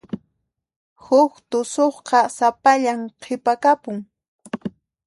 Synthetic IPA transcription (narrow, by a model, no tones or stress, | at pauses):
hʊkt̪ʊsoχqɑsapaʎamqʰɪpakapʊŋ